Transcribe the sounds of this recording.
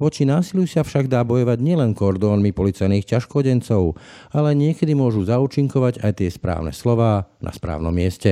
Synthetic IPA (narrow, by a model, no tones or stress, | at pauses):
ʋɔt͡ʃinaːsiljusafʃaɡd̪aːbɔjɔʋaɟɲɪɛlɛnkɔɾd̪ɔːnmipɔlit͡sajniːxcaʃkɔɟɛnt͡sɔʊ | alɛɲɪɛkɛd̪imʊɔʒuzauːt͡ʃiŋkɔʋaɟajt̪ɪɛspɾa̰ːʊnɛ̰slɔʋaːna̰spɾa̰ːʊnɔ̰mːɪɛscɛ